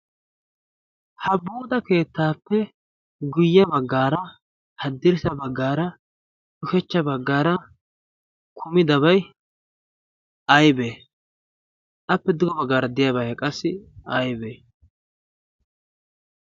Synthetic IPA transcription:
hɐbuːd̪ɐke̞ːt̪ːaːpːɛ | ɡʊjːɐbɐɡːaːɾɐ | hɐd̪ːɪɾɪsɐbɐɡːaːɾɐ | d̪ʊkɛt͡ʃːɐbɐɡːaːɾɐ | kʰʊmɪd̪ɐβɐj | ɐjbeː | ʔɐpːɛd̪ʊɡɔbɐɡːaːɾɐd̪ɪjabɐjkʼɐsːɪɐjbeː

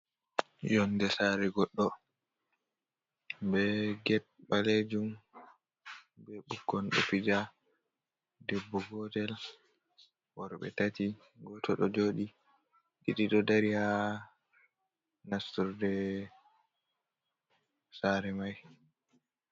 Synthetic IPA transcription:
jɔndɛsaɾɛɡɔɗːɔ | bɛɡɛ | ɓaled͡ʒum | bɛɓukːɔnɗɔ̰pid͡ʒa | debːuɡɔtɛl | wɔɾɔɓɛ̰tati | ɡɔtʰɔɗɔd͡ʒoːɗi | ɗiɗiɗɔdaɾiha | nastuɾdɛ | saɾɛmaj

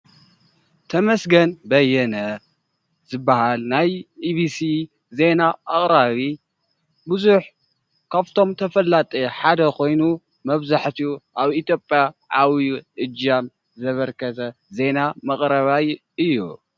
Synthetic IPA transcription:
t̪ʰɐmɐsɡɐnbɐjːɛnɐ | zɨbːahalnajiβisi | ze̞naʔːχʼɾaβi | bɨzuħ | kʰaβt̪ʰo̞mt̪ʰɐfɐlːat̪ʼeħad̪ɐkʰo̞jnu | mɐβzaħt̪ʰiuʔaβit̪ʰjo̞pʼjaʕawiʔɨd͡ʒam | zɐβɐɾkʰɐt̪ʰɐ | ze̞namɐkʼɾɐβaj | ɨjːu

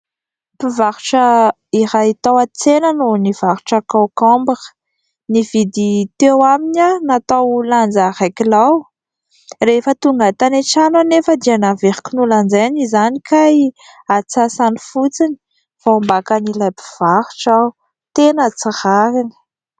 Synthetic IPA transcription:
pivaɾuʈ͡ʂə | iɾait̪awat͡senənuniv̥aɾu̥ʈ͡ʂakawkɔmbəə̥ | nivid̪it̪ewaminanat̪awland͡zaɾakilaw | refət̪uŋɡat̪aneʈ͡ʂananefəd̪ianaveɾi̥kunuland͡zaanizanikʰaji | at͡sasanifut͡sini̥ | faambakanilajpi̥v̥aɾuʈ͡ʂa | t̪enət͡siχaɾini̥

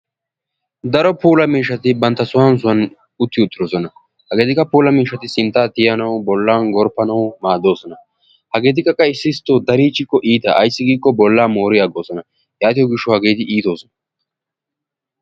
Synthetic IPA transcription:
d̪ɐɾɔpuːlɐmiːʃɐt̪ɪbɐnt̪ːɐsʊwɐns̬ʊɐn | ʊt̪ːɪʊt̪ːɪɾosɔnɐ | hɐɡe̞ːt̪ɪkːɐpuːlɐmiːʃːɐt̪ɪsɪnt̪ːaːt̪ɪjɐnɐwbɔlːaːnɡɔɾpːɐnɐwmaːd̪o̞ːsɔnɐ | hɐɡe̞ːt̪̬ɪkʼːɐkʼːɐɪsːɪst̪ːoːd̪ɐɾiːt͡ʃːɪkːɔʔiːt̪ɐʔɐ̰jsːɪɡiːkʼːɔbɔlːaːmoːɾɪjaːɡo̞ːsɔnɐ | jaːt̪ɪjɔɡɪʃːɔhɐɡe̞ːt̪ɪʔiːt̪o̞ːsɔnɐ̥

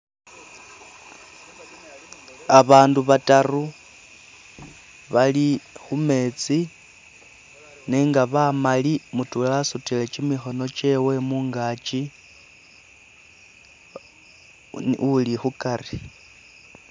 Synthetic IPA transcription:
aβaːnduβataru | βalixume̞ːt͡si | neːŋɡaβamalimutulasutilet͡ʃimixo̞no̞t͡ʃe̞we̞muːŋɡaːt͡ʃi | ulixukari

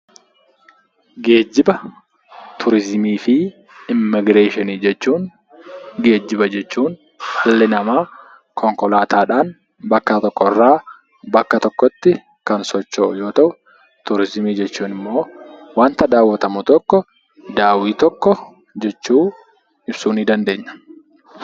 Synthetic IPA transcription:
ɡe̞ːd͡ʒːɪbɐ | t̪ʰʊɾɪzmiːfɪ | ɪmːɪɡɾe̞ːʃɪniːd͡ʒɛt͡ʃːuːn | ɡe̞ːd͡ʒːɪbɐd͡ʒɛt͡ʃːuːn | hɐlːɪnɐmaː | kʰɔŋkɔlaːt̪aːᶑaːn | bɐkːɐt̪ɔkːɔɪrːaː | bɐkːɐt̪ɔkːɔt̪ːɪ | kɐnsɔt͡ʃːoʔʊjo̞ːt̪ɐʔʊ | t̪ʊɾɪzmiːd͡ʒɛt͡ʃːuːnɪmːo̞ːwaːnt̪ɐd̪aːwːɐt̪ɐmʊt̪ɔkːɔ | d̪aːwiːt̪ɔkːɔ | d͡ʒɛt͡ʃːuː | ɪbsuːniːd̪ɐnd̪e̞ːɲːɐ̥

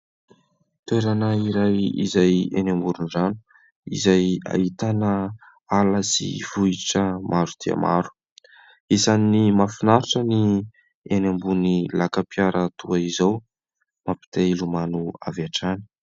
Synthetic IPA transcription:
t̪weɾanəiɾajḭzajenambuɾunzanu̥ | ḭzaja̰it̪anə | alasḭv̥uiʈ͡ʂəmʔaɾud̪̥ia̰mʔa̰ɾu̥ | isannimafinaɾiʈ͡ʂəni | enambunilakapjaɾət̪uaizaw | mapi̥t̪elumanua̰vaʈ͡ʂani̥

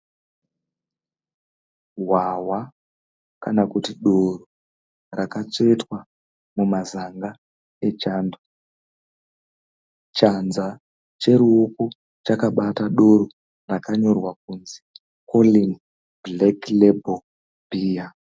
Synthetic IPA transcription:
ɦwawa | kanakutiɗo̞ro | rakat͡ʂe̞twa | mumazaŋɡa | et͡ʃanda | t͡ʃanza | t͡ʃe̞ɾuoku | t͡ʃakaɓataɗo̞ɾo | rakaɲo̞rwak̚unzi | koliŋ | bleklebo | biːja

